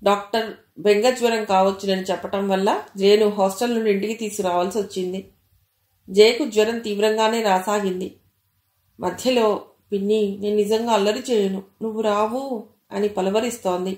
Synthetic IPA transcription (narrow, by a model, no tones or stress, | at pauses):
ɖaːk̚ʈɐɾ | beŋɡɐd͡ʒʋɐɾɐmkaːʋɐt͡ʃːinɐnit͡ʃɛpːɐʈɐmʋɐlːɐd͡ʒeːnuɦoːsʈɐlnuɖiɳʈikit̪iːskuɾaːʋaːlsiʋot͡ʃːind̪i | d͡ʒeːkud͡ʒʋɐɾɐmt̪iːʋɾɐŋɡaːne̞ːɾaːsaːɡind̪i | mʔɐd̪ʱjɐlo̞ː | pinːine̞ːnunid͡ʒɐŋɡaːɐlːɐɾit͡ʃeːjɐnunuʋːuɾaːʋu | ɐ̰nipɐlɐʋɐɾist̪o̞ːnd̪i